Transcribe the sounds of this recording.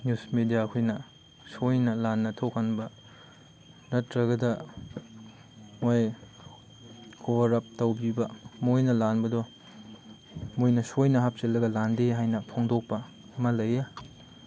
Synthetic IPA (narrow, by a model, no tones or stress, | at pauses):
njusmedijaɐkʰojnɐ | sojnɐlanːɐtʰokhɐnbɐ | nɐtɾɐɡɐdɐ | moj | kʰobɐɾɐp̚tɐwbibɐmojnɐlanbɐdɔ | mojnɐsojnɐɦap̚selːɐɡɐlandeɦajnɐpʰoŋdok̚pɐ | ɐmɐlɐjɐ